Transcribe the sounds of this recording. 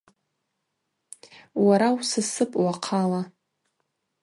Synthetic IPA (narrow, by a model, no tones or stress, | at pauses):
waɾawsɨsɨpʼwaqʰala